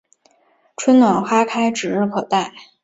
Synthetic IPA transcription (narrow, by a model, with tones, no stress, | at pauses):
ʈ͡ʂʰwə˥nnwa˨˩nxwa˥kʰa˥ɪʈ͡ʂɻ̩˨˩ɻɻ̩˥˩kʰɤ˨˩t̪a˥˩ɪ